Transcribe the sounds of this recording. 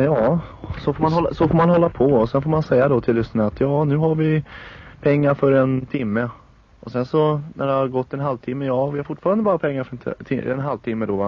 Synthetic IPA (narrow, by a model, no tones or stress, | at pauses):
jɑːsɔfoːɾmanhɔlːsɔfoːɾmanɦɔlːapʰɔɔsɛnfoːɾmansɛjːad̪ɔt̪ʰɪlːʏsnənaːt̪jɑːnʉ̟ːɦaɾvɪpʰɛŋːaɾfœɾɛnt̪ʰɪmːə | ɔsɛnsɔnʔæɖɛhaɾɡɔt̪ːɛnɦalvt̪ʰɪmːəjɑːvɪhaɾfʊʈːfɑːɾand̪əbɑːɾapʰɛŋːaɾfœɾɛnʰɪɛ̰nɦalvt̪ʰɪmːəd̪ɔva